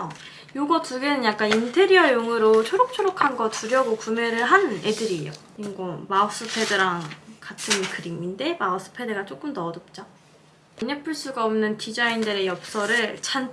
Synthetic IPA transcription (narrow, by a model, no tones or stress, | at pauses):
joɡʌtuɡenɯnjak͈anintʰe̞ɾiʌjoŋɯɾot͡ɕʰoɾok̚t͡ɕʰoɾokʰanɡʌtuɾjʌɡokume̞ɾɯɭɦane̞dɯɾijo | inɡomaos͈ɯpʰe̞dɯɾaŋkatʰɯnkɯɾiminde̞maos͈ɯ̥pʰe̞dɯɡat͡ɕ͈ok͈ɯmtʌdop̚t͡ɕ͈a | iɲepʰɯɭs͈uɡaʌmnɯntid͡ʑaindɯɾe̞jʌp̚s͈ʌɾɯɭt͡ɕʰan